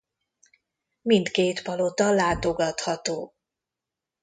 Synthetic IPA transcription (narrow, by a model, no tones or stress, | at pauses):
mint̪keːt̪pɒlot̪ɒlaːt̪o̞ɡɒt̪hɒt̪oː